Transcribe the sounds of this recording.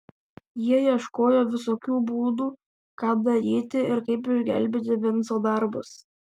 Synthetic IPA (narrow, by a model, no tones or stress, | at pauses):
jiɛjiɛʃkoːjoːʋʲɪsoːkʲuːbuːd̪uː | kɑːd̪ɐɾʲiːt̪ʲɪɪɾkɐɪpɪʒʲɡʲɛ̰lʲbʲiːt̪ʲɪʋʲɪnsoːd̪ɐɾbʊs